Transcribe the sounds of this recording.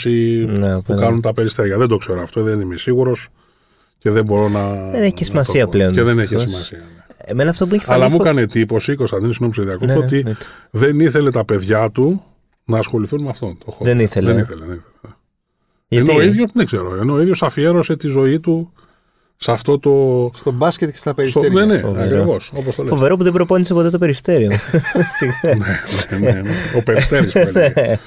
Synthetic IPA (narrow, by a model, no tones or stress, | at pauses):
sinukɐnunt̪ɐpe̞ɾist̪eɾʝɐðe̞nd̪o̞kse̞ɾoɐft̪o̞ðenimesiɣuɾo̞s | ce̞ðe̞mbo̞ɾo̞nɐeeesimɐsiɐpleoeðeneçesimɐsiɐnemenɐft̪obueçɐlɐmukɐne̞t̪ipo̞siko̞st̪ɐnd̪inosinomiseðiɐkot̪ot̪iðe̞niθe̞le̞t̪ɐpe̞ðʝɐt̪u | nɐːsxo̞liθunmeɐft̪o̞nt̪oxoðeniθeleniθeleðeniθelene | ʝɐneoiðʝosðeŋɡzeɾoeneoiðjo̞sɐfieɾo̞se̞t̪izo̞it̪u | sɐft̪o̞t̪o̞st̪obɐscet̪cest̪ɐpeɾisoeɾneneɐkɾivoso̞post̪olefoveɾo̞puðebɾo̞po̞nise̞po̞t̪e̞t̪o̞pe̞ɾist̪e̞ɾio | neneneeopest̪eɾisel